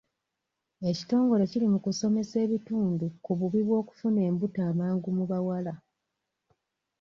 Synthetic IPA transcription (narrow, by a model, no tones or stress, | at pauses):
e̞ci̥to̞ːŋɡo̞le̞cilimukuso̞me̞se̞ːβituːndukuβuβiβwo̞ːku̥fune̞ːmbutaːmaːŋɡumuβawala